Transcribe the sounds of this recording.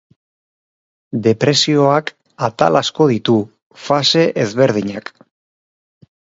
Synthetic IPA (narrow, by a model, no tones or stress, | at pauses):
d̪e̞pɾe̞sio̞ak | at̪a̰lasko̞ð̞it̪u | fase̞ʔezβe̞ɾð̞iɲak